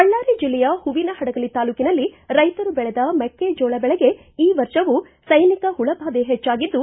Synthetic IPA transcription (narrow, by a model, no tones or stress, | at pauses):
kɐɭːaːɾid͡ʒilːɛjɐhuʋinɐhɐɽɐɡɐɭit̪aːluːkinɐlːiɾɐjt̪ɐɾubɛɭɛd̪ɐmɛkːed͡ʒoːɭɐbɛɭɛɡe̞ | iːʋɐɾʃɐʋu | sɐjnikɐɦuɭɐbʱaːd̪eɦɛt͡ʃːaːɡid̪ːu